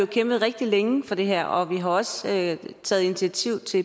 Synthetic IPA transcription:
okʰem̰b̥ð̞̩ˠʁeɡ̥̚d̥ileŋəfɒ̽d̥e̝ɦæɐ̰ɒ̽ʋiɦɑ̈ɒ̽søt͡sʰɛ̰ːð̩ˠinit͡sʰiæt͡sʰiʊ̰t͡sʰe̝

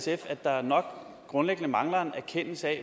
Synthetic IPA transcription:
sefæd̥ɑ̈æɐnɒ̽ɡ̥ | ɡ̥ʁɔ̽nleɡ̥ənəmɑ̈ŋlɐnæɐkʰen̰l̩səɛ

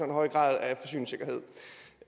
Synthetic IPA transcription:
ɒ̽enɦɒ̽ɪɡ̥ʁɑ̰̈ːðˠæfɒ̽sy̰ːnse̝ɡ̥ɐɦe̝ð̰ˠ

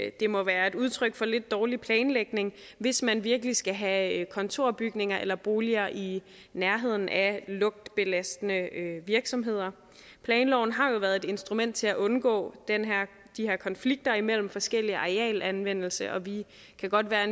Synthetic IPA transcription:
d̥e̝mɒ̽ʋæːɐe̝duð̞ˠt͡sʰʁœɡ̥fɒ̽le̝d̥ːɒːlipʰlɛːnleɡ̥ne̝ŋ | ʋe̝smænʋiɐɡ̥əlisɡ̥æɦækʰɒ̽nt͡sʰo̝ɐ̰b̥yɡ̥ne̝ŋɐʔelɐb̥o̝ːliɐʔi | næɐɦe̝ð̞̰ˠn̩ʔælɔ̽ɡ̥̚d̥b̥e̝læsd̥ənəøʋiɐɡ̥sɒ̽mɦe̝ð̞̰ˠɐ | pʰlɛːnlɒʊn̩ɦɑ̈jo̝ʋæːɐðˠe̝d̥e̝nsd̥ʁumen̰d̥̚t͡sʰe̝læʔɔ̽nɡ̥ɔ̰̽ːd̥enɦæɐ̰ | d̥iheɐ̰kʰɒ̽nfliɡ̥̚d̥ɐimel̰m̩fɒ̽sɡ̥el̰iɑ̈ʁeɛ̰ːlænʋen̰l̩səʔɒ̽ʋi | kʰæɡ̥ɒ̽d̥ʋæːɐe

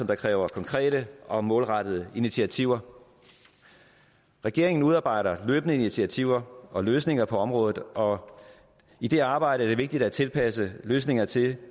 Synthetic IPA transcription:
sɒ̽md̥ɑ̈kʰʁɛːʊɐkʰɒ̽ŋkʰʁɛ̰ːɾəʔɒ̽mɔ̽ːlʁɑd̥əð̞ˠəinit͡sʰiæt͡sʰiʊ̰ɐ | ʁɛɡ̥e̝ɐeŋn̩uð̞ˠɑ̈ːb̥ɑ̈ɪ̰ɾɐløːb̥ənəinit͡sʰiæt͡sʰiʊ̰ɐʔɒ̽løːsne̝ŋɐpʰɒ̽ɒ̽mʁɔ̽ːðð̩ˠɒ̽ | id̥e̝ɑ̈ːb̥ɑ̈ɪ̰ɾəæɐde̝ʋe̝ɡ̥̚d̥id̥æt͡sʰe̝lpʰæsəløːsne̝ŋɐt͡sʰe̝l

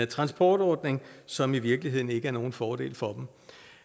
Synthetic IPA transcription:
ət͡sʰʁɑ̈nsb̥ʰɒːd̥ɒːd̥ne̝ŋsɒ̽miʋiɐɡ̥liɦe̝ð̰ˠn̩e̝ɡ̥əæɐno̝ːn̩fɒːdɾe̝̰ːlfɒ̽d̥m̩

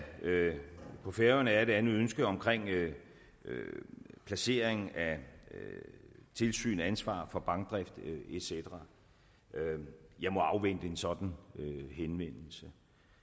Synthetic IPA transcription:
pʰɒ̽feɐnæɐdeænˠønsɡ̥əɒ̽mkʰʁeŋ̰ | øpʰlæse̝̰ːɐ̰eŋn̩æ | t͡sʰe̝lsy̰ːnænsʋɑ̰̈ːfɒ̽b̥ɑ̈ŋɡ̥̚d̥ʁɛfd̥e̝̥sed̥ɐʁɑ | jɑ̈ɪmɒ̽ɑ̈ʊʋen̰d̥əe̝nsɒ̽d̥n̩øhenʋen̰l̩sə

